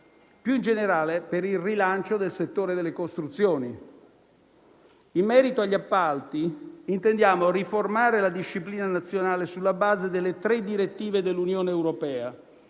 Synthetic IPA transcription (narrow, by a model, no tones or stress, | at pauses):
pjuind͡ʒeneɾaːlepeɾilrilant͡ʃod̪elset̪ːoːɾed̪elːekost̪ɾut̪sːjoːni | imːɛːɾit̪oaʎːapːalt̪iint̪end̪jaːmoriformaːɾelad̪iʃːipliːnanat̪sːjonaːlesulːabaːzed̪elːet̪ɾed̪iɾet̪ːiːved̪elːunjoːneːwɾopɛːa